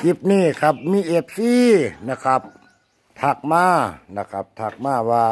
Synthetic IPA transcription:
t͡ɕi˧˦˥p̚niː˧˥˩kʰa˦˥p̚miː˧˥˨ʔe˧˩p̚siː˧˥˨na˧˩kʰa˦˥p̚ | t̪ʰa˧˩k̚maː˧˥˩na˧˩kʰa˧˦˥p̚t̪ʰa˧˩k̚maː˧˩waː˧˩

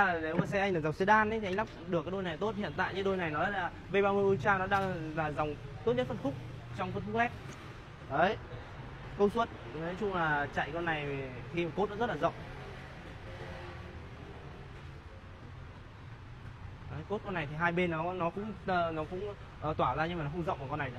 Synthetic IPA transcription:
a˨˩ne˨˦wmaː˨˩sɛ˧ʔa˧ŋlaː˨˩zwŋ͡msi˧˥ɗaː˧nʔə˨˦j̪i˨˧ŋla˦˥p̚ɗɨ˨˩kaː˨˦jɗo˧jna˨˩jt̪o˦˥t̚hḭ˧˨ənt̪a̰ː˧˨jɲɨ˧˦ɗo˧jna˨˩jnɔ˨˦jlaː˨˩ | ɓe˧jɓaː˧mɨ˧əjʔu˧t͡ɕaː˧nɔ˨˦ɗaː˧ŋlaː˨˩za˨˩wŋ͡mt̪o˦˥t̚ɲə˦˥t̪̚fə˧˩n̚kfʊ˦˥k͡p̚ | t͡ɕɔ˧wŋ͡mkə˦kʊ˦˥ʔɛ˦˥p̚ | ʔə˨˦j | kə˧wswə˦˥t̚t̪ʰt͡ɕʊ˧ŋ͡mlaː˨˩t͡ɕa̰˧˨jkɔ˧nːa˨˩jvxi˧maː˨˩ko˦˥t̚ɗa̰˧˥zə˦˥laː˨˩zə̰˧˨wŋ͡m | ʔə˨˦jko˦˥t̚kɔ˧na˨˩jt̪ʰi˨˩ɦaː˧jɓe˧nːɔ˨˦nɔ˨˦kʊ̰˧˥ŋ͡məː˧˩nɔ˨˦kʊ̰˧˥ŋ͡m | ʔəː˨˩t̪waː˧˩zaː˧ɲɨ˧ma˨nɔ˨˦xʊ˧ŋ͡mzə̰˧˨ŋ͡mkːa˨˩kɔ˧nːa˨˩j

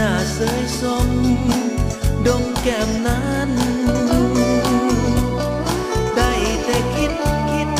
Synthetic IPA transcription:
aː˧˩səː˧˦jsɔ˧ŋmi˧ | ɗo˧˦ŋ͡mkɛ˧˩mnaː˧˥ | n˧ | ɗa˧˩jt̪ɛ˧˩kʰi˦˥t̚kʰi˦˥t̚

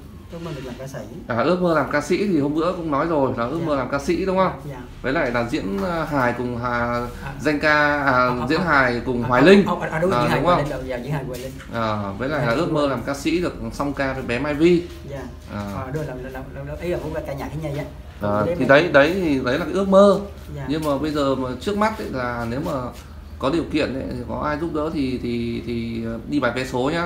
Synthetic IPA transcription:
ɨ˦˥ək̚əː˧˨˩klaː˨kaː˧sḭ˧˥ | ʔaː˨˩ʔɨ˦˥ək̚məː˧laː˨˩mkaː˧sḭ˧˥t̪ʰi˨˩ho˧ŋ͡mnɨ̰˧˥əkʊ̰˧˥ŋ͡mnɔ˨˦jzo˨˩jlaː˨˩ʔɨ˦˥ək̚məː˧laː˨˩mkaː˧sḭ˧˥ɗʊ˨˦ŋ͡mhə˧wŋ͡m | vəː˨˦jla̰ː˧˨jlaː˨˩zḭ˧˥ənɦaː˨˩jkʊ˨˩ŋ͡mɦa˨˩ | za˧jŋ̟kaː˧ʔəː˨˩zḭ˧˥ənɦaː˨˩jkʊ˨˩ŋ͡mɦwaː˨˩jlï˧ŋ̟˧ɗʔəː˨˩ʊ˨˦ŋ͡mxə˧w̰a˨˩˧ŋʔəː˨˩və˨˦jla̰ː˧˨jlaː˨˩ʔɨ˦˥ək̚məː˧laː˨˩mkaː˧sḭ˧˥ɗɨ˨˩ək̚sɔ˧wŋ͡mkaː˧və˨˩˦ɓɛ˨˦maː˧jvi˧˨ | ʔəː˨˩˨ɗlʔə˨˦jə˨˩kʊ̰˧˦a˧˩kaː˧˩ɲaː˨˩ka˧˦ɲa˧˩ja˨˦ | ʔəː˨˩˨t̪ʰi˨˩ɗə˨˦jɗə˨˦jt̪ʰi˨˩ɗə˨˦jlaː˨˩ka˨˦˥ək̚məː˧˨ | ɲɨ˧ŋmaː˨˩ɓə˧jzəː˨˩maː˨˩t͡ɕɨ˦˥ək̚ma˦˥t̚ʔə˧˦jlaː˨˩ne˨˦wmaː˨˩ | kɔ˨˦ɗi˨˩əwkḭ˧˨ənʔə̰˧˦ji˨˩kɔ˨˦ʔaː˧jzʊ˦˥p̚ɗə̰ː˧˥t̪ʰi˨˩t̪ʰi˨˩t̪ʰi˨˩˨ɗi˧ɓaː˨˩jfɛ˨˦so˨˦ɲaː˨˦

